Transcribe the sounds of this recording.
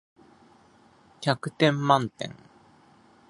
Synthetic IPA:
kʲakɯ̟t̪ẽ̞mːãnt̪ḛ̃ŋ

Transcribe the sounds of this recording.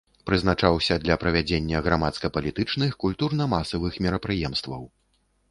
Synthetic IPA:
pɾɨznat͡ʂawsʲɐd̪lʲɐpɾɐvʲad͡zʲenʲːɐɣɾamat̪skɐpɐlʲit̪ɨt͡ʂnɨxkulʲt̪urnɐmasɐvɨxmʲɛɾɐpɾɨjɛmst̪vɐw

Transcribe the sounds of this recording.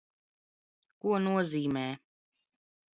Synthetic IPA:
kuɔnuɔziːmɛː

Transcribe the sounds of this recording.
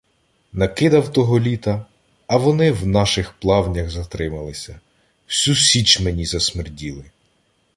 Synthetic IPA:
nɐkɪd̪ɐwt̪ɔɦɔlʲit̪ɐː | ʋɔnɪwnɑʃɪxplˠɑwnʲɐɣzɐt̪ɾɪmɐlˠɪsʲɐ | sʲusʲit͡ʃmenʲizɐsmɪrdʲilˠɪ

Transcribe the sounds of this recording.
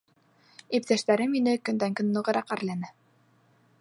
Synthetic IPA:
ip̚t̪æʃt̪æɾɘminɘkɵ̆nd̪æŋkɵnːɤ̆ʁɤ̆ɾɑqæɾlænɘ

